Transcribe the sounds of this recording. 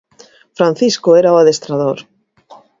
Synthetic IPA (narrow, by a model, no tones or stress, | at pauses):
fɾan̟θiskʊɛɾaoaðest̪ɾaðoɾ